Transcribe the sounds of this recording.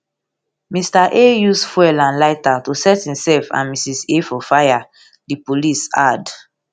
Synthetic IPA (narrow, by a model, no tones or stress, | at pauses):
mistaʔejusfwɛlãnlaɪtatusɛthĩmsɛlfã̰nmisisefɔfaja | dipolisad